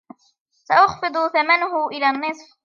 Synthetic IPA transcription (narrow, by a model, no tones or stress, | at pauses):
saʔɑxfɨd̪ˤʊθamanʊhʊʔɪlaːnːɨsˤf